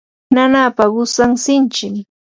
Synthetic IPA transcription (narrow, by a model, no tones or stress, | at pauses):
nanaːpaɢʊsaŋsɪnt͡ʃɪŋ